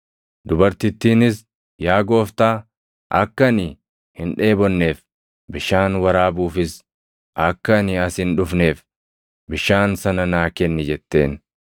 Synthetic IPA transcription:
d̪ʊbɐɾt̪ɪt̪ːiːnɪs | jaːɡo̞ːft̪aː | ʔɐ̰kːɐnɪ | hɪnᶑe̞ːbɔnːe̞ːf | bɪʃaːnwɐɾaːbuːfɪs | ʔɐkːɐnɪɐshɪnᶑʊfne̞ːf | bɪʃaːnsɐnɐnaːkɛnːɪd͡ʒɛt̪ːe̞̰ːn

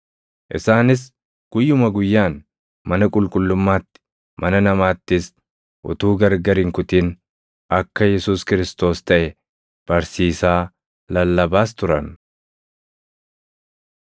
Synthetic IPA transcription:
ʔɪsaːnɪs̬ | ɡ̥ʊjːʊmɐɡʊjːaːn | mɐnɐkʼʊlkʼʊlːʊmːaːt̪ːɪ̥ | mɐnɐnɐmaːt̪ːɪs | ʔʊ̰t̪uːɡɐɾɡɐɾɪŋkʊt̪iːn | ʔɐkːɐjɛsuːskɪɾɪst̪o̞ːst̪ɐʔɛ | b̥ɐɾsiːsaː | lɐlːɐbaːst̪ʊɾɐn

